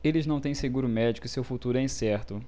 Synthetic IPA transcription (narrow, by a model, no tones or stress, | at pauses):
elɪznɐ̃w̃t̪ẽj̃seɡuɾʊmɛd͡ʒikʊɪsewfut̪uɾʊɛ̃j̃sɛɾt̪ʊ